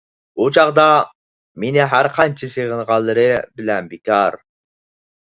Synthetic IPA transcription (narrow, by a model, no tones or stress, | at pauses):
ut͡ʃʰɑʁd̪ɑ | menɪɦæɾqʰɑnt͡ʃʰiseʁənʁɑlˠːɨɾɨbɪlɛnbikʲɑɾ